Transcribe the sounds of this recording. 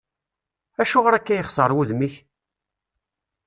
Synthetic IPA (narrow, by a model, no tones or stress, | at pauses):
æʃuʁəɾækːæjəχsˤəɾˤwuðmiç